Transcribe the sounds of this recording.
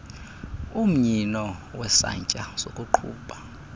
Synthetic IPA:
um̩ɲinɔwɛsa̰ɲt͡ʃʼaz̥okʼuǃʰṵːɓa

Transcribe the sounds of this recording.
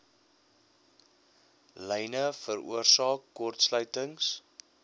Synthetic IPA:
lɛjnəfərṵərsɑːkːɔrtslœɥtəŋs

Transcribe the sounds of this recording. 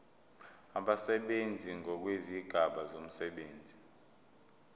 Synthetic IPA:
aɓasɛɓend͡zʱiŋʱɔk̬weziɡ̥ʱaɓazom̩sɛɓeːnd͡zʱi

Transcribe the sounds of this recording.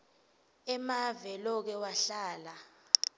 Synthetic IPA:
ɛmavɛlɔk̬ɛwaɬaːla

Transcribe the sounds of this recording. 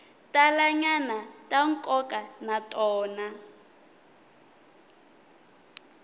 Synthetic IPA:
tʼalaɲanatʼaŋ̩kʼɔkʼanatʼɔːna

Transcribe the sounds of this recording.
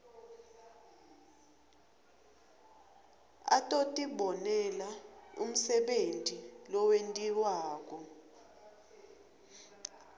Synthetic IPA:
a̰tʼotʼiɓɔnɛlaṵm̩sɛɓentʼilɔwentʼiwaːk̬ʼɔ

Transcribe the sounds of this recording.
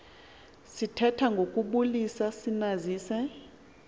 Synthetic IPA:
sitʰɛtʰaŋɡʱokʼuɓulisasinaziːsɛ

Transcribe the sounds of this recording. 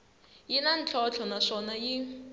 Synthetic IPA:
jinan̩t͡ɬʰɔt͡ɬʰɔnaʂɔnaji

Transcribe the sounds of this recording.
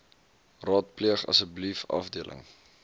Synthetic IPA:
rɑːt̚pliəχɐ̰səblifɐ̰fdiəlʔə̰ŋ

